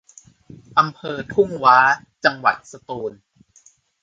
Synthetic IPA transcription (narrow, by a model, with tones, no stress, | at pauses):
ʔa˧mpʰɤː˧t̪ʰu˥˩ŋwaː˦˥ | t͡ɕa˧ŋwa̰˨˩t̪̚sa˧t̪uː˧n